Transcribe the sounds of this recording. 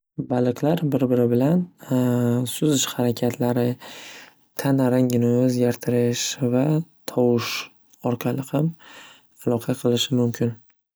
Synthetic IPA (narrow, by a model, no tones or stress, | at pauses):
balˠɨqlaɾbɪɾbɪɾɪbɪlan | sʊzɪʃhaɾakʲʰat̪ʰlaɾɪ | t̪ʰanaɾaŋʲɪnɪɵzɡʲaɾt̪ʰɪɾɪʃvat̪ʰɒwɪʃ | ɒɾqʰɑlˠɪham | alˠɒqʰɑqʰɨlˠɪʃɪmʊmkʲʰɪn